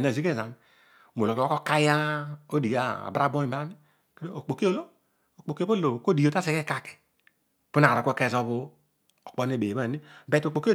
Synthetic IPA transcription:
na˨zi˦ke˦˨za˨n˨ | m˨o˨lo˨kwa˦o˦ka˦ja˦o˦di˨a̰˦˨bɾa˦bo˦i˨ba˦ni˦ | ke˦do˦o˨k͡po˨ki˦o˦lo˦ | o˨k͡po˨ki˦o˦lo˨ko˦di˨jo˨ta˦se˨ke˦ka˦ki̥˨ | pu˦na˨a˨kʷke˦˨zo˦βu˦ | o˨k͡po˦ne˦˨be˨ba˦˨ni˦bɛ˨to˨k͡po˨ki˦o˦

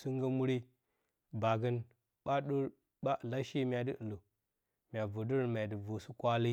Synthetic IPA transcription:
su˦ŋɡə˦mu˦ɾi˦ | ba˨ɡə˦n | ɓa˦ɗə˦ɾ | ba˦ʔla˦ʃi˦mʲa˨də˦ʔlu˨ | mʲ˨a˨vu˨də˦ɾm˨a˨də˨vu˨su˦kʷa˦li˦

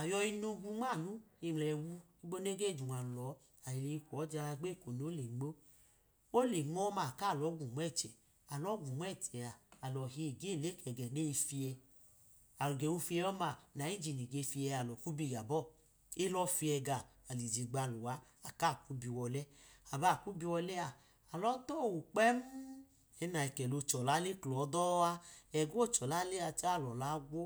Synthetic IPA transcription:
a˨jɔ˧i˧nu˧ɡu˧ŋ͡ma˦˨nu˦i˧˨mlɛ˨wu˦˧ | i˦ɡ͡bo˦ne˦ɡe˦˨d͡ʒu˨wa˨lɔ˨˦ | a˨i˨le˧i˧kʷɔ˨˦d͡ʒa˧a˧ɡ͡be˦˨ko˨n˨o˦le˨ŋ͡mo˦ | o˦le˨ŋ͡mɔ˦ma˨ka˦˨lɔ˨˦ɡʷu˨m˦ɛ˦˨t͡ʃɛ˨ | a˨lɔ˨˦ɡu˨m˦ɛ˦˨t͡ʃɛ˨a˨a˨lɔ˨ɦe˧i˨ɡe˦˨le˨˦kɛ˨ɡɛ˨ne˦i˧fi˧ɛ˧ | a˨lu˨ɡe˨wu˧fi˧ɛ˧ɔ˦ma˨na˨˦i˦d͡ʒi˨ni˨ɡe˧fi˧ɛ˧a˨lɔ˨ku˦bi˧˨ɡa˨bɔ˦˨ | e˦lɔ˦fi˧ɛ˧ɡaː˧˨li˨d͡ʒi˨ɡ͡ba˧lu˨wa˧˦ | a˨ka˦˨ku˦bi˧wɔ˧lɛ˦a˨ba˦˨ku˦bi˧wɔ˧lɛ˦a˨ | a˨lɔ˦to˦˨wu˨k͡pɛ˦m̩˦ | ɛ˨˦na˨ɛ˨kɛ˨lo˧t͡ʃɔ˨la˨˦le˦klɔ˨˦dɔ˦a˧ɛ˧ɡu˦o˦˨t͡ʃɔ˨la˨˦le˦a˧t͡ʃa˦˨lɔ˨la˨˦ɡʷo˦

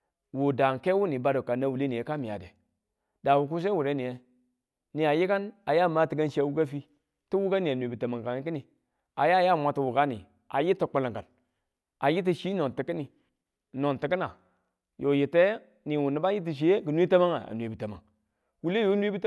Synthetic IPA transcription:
wu˨da˨ŋke˦wu˦ni˨ba˦do˨ka˨na˦wu˨le˦ni˨e˨˦ka˦mi˨a̰˨dḛ˨ | da˨wu˨k̬u˦s̬a˦wu˨ɾe˨˦ni˨je˦ | ni˨a˨ji˦ka˦na˨ja˦˨ma˦ti˨ɡa˦nʃi˦a˨wu˦ɡa˦fi˦ | ti˦wu˦ɡa˦ni˨a˨nʷwe˨bi˨ta˨ma˨ŋka˨ŋ˦ki˦ni˨ | a˨ja˦˨ja˦˨mʷa˨ti˨wu˨ɡa˦nḭ˨ | a̰˨ji˦ti˨k͡pa˨la˨ŋka˨n | a˨ji˦t̬i˨ʃi˦no˨nti˨kə˦ni˨ | no˨nti˨kə˦na˨ | jʔo˨ji˨te˦ | ni˨wu˨ni˨ba˦ji˦t̬i˨ʃ̬i˨e˦ɡə˨nʷ˦i˦ta˦ma˦ŋa̰˨a̰˨nʷ˨e˨bi˨ta˨ma̰˨ŋ | wu˨le˦jo˦nwi˦bi˦t

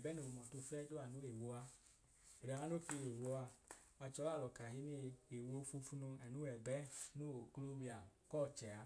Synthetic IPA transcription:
ɛ˨bɛ˦no˧˨˧mɔ˨to˧˨fɛ˦do˦a˨nu˨˦e˨wo˧˦a˧ | e˨ɾa˨˦a˦no˦ki˧˨e˨wo˧˦a˧ | a˧t͡ʃɔ˧˦a˦˨lɔ˨ka˨ɦi˧˦ni˧e˨wo˧˦fu˧fu˧˦nu˧ɛ˨nu˦ɛ˨bɛ˦no˦˨klu˦wi˧a˨kɔ˦˨t͡ʃɛ˨a˨˦

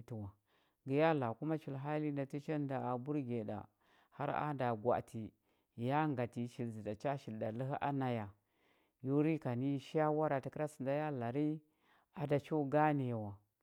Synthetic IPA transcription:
ti˨wa˨ | ɡi˨ja˦la˨ku˦ma˦t͡ʃi˨lɦa˦li˦nda˨ti˦t͡ʃa˦nda˨a˨bu˦ɾɡe˨da̰˨ | ha̰˦ɾa̰˦nda˨ɡʷa̰˨tʰi˨ | ja˦ŋɡa˨ti˨ʃi˨lzi˨da˨t͡ʃa˦ʃi˨lda˨li˦ɦʔa̰˦na˨ja˨ | ju˦ɾi˦ka˨ni˦ʃa˦wa˦ɾa˨ti˨˦kɾa˦si˨nda˦ja˦la˨ɾi˦ | a˨da˨t͡ʃo˦ɡa˦ni˨ja˨wa˨

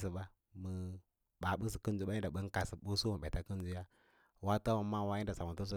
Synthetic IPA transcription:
sə˨ɓa˦ | mə˨ | ɓa˨ɓə˦s̬ə˨kə˦n˦d͡ʒu˦ɓa˦ɲi˦da˨ɓə˦ŋ˦ka˨sə˨ɓu˦su˦mə˨ɓa˨ta˦kə˦n˦d͡ʒu˦ja˦ | wa˦ta˦ma˨ma˦wa˦i˦da˨sa˨mu˨tu˦s̬u˦

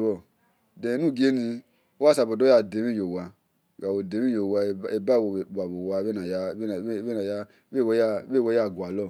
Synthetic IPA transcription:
wɔ˧˨ | dẽ˨˦nũ˦˨ɡe˦nĩ˧ | o˦wa˦sa˨bo˨do˦ja˨de˨˦mĩ˦jo˨wa˨ | a˨wo˨de˨˦mi˦jo˨wa˧˨˦e˨ba˦˨wo˨a˨bo˨wa˧˨˦e˦na˨ja˧˦˨e˦na˨ja˧˦ | e˦˨wja˦be˦˨wo˧˦a˦˨ɡwa˨lɔ˦˨

